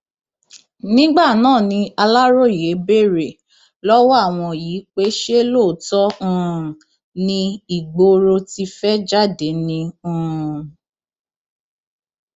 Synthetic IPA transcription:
nĩ˦ɡ͡ba˦˨nãː˦˨nĩ˧a˧la˦ɾo˦˨je˨˦be˦˨ɾe˨ | lɔ˦wɔ˦a˦˨w̃ɔ̃˧jiː˨˦k͡pe˦ʃe˦lo˦˨tɔ̃˦˨ | nĩ˧i˨ɡ͡bo˧ɾo˧ti˧fɛ˦d͡ʒa˦˨de˨˦nĩ˧˦˧

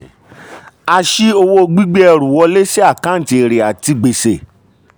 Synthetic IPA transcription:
a˧ʃi˦o˧wo˧ɡ͡bi˦ɡ͡bɛ˦˧ɾũ˨wɔ˧le˦ʃɛ˦a˦˨kã˨˦n̩˦˨ti˧˨ɾe˨a˨ti˧ɡ͡be˨se˨

